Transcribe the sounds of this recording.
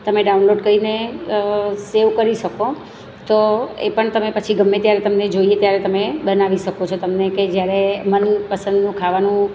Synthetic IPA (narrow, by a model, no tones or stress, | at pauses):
t̪əmeɖaunloɖkəine | seʋkəɾiʃəko | t̪oḛpəɳt̪əmepət͡ʃʰiɡʱəmːet̪jaɾet̪əmned͡ʒoiet̪jaɾet̪əmebənaʋiʃəkot͡ʃʰot̪əmneked͡ʒjaɾemənpəsə̃nd̪nũkʰaʋanũ